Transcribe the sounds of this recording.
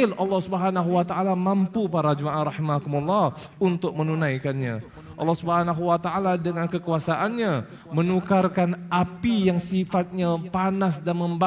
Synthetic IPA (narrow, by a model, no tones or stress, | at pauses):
ɪlɑlːɑhsubəɦanaɦuwat̪aʔalamampupaɾad͡ʒəmaʔaɾˤɑhimakumulːɑh | unt̪ʊk̚mənunajkanɲa̰ | ʔɑ̰lːɑhsubəɦanaɦuwat̪aʔaladəŋankəkuasaʔanɲa | mənukarkanʔapijaŋsifat̪̚ɲapanasdanməmba